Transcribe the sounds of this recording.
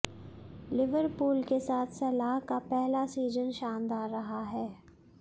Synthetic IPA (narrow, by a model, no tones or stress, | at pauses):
lɪʋəɾpuːlkesaːt̪ʰsɐlaːɦkapɛɦlasiːzənʃaːnd̪aːɾːɐɦaɦɛː